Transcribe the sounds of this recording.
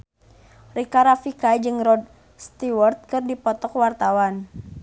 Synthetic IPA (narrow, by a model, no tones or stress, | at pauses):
rikaɾafikajd͡ʒɨŋrɔd̚ | st̪iwərt̪̚kɨrdipɔt̪ɔkwart̪awan